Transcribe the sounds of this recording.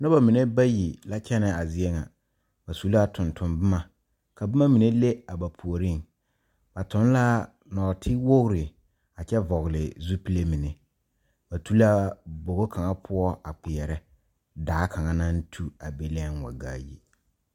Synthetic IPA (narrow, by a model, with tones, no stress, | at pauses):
nɔ˦ba˨mi˨ne˦ba˦ji˨la˦t͡ʃɛ˦nɛ˨a˨zɪ˦ɛ˦ŋa̰˨ | ba˨su˨˦la˦tʊ˨ntʰʊ˨mbɪ˦ma˨ | ka˨bɪ˦ma˦mi˨ne˦le˦a˨ba˨pʰu˨o˨ɾi˦ŋ | b̥a˨tʊ˨˦n˦la˦ | nɔ˨tʰɪ˦wʊ˦ɣɾɪ˨ | a˨t͡ʃɛ˦vɔ˨ɣlɪ˨zu˦pi˦le˦mi˨ne˨ | ba˨tʰu˦la˦bo˨ɣo˦kʰa˨ŋa˦pʰʊ˦ɔ˦ʔa˨k͡pɪ˨ɛ˨ɾɛ˦ | daː˨˦kʰa˨ŋa˦na˦n˦tʰu˦a˨be˦lɛ˦ŋwa̰˨ɡa̰ː˦˨jḭ˦